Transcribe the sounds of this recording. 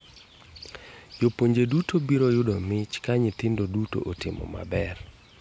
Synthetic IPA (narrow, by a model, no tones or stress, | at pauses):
jopoɲd͡ʒedutobiɾojʊdomɪt͡ʃkaɲɪt̪ɪndoduto̰ʔotɪmɔ̰ma̰bɛr